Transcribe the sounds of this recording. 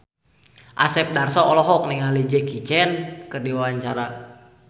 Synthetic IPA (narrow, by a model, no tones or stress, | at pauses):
ʔasɛp̚darsɔɔlɔɦɔk̚niŋalid͡ʒɛkit͡ʃɛnkɨrdiwawaɲt͡ʃaɾa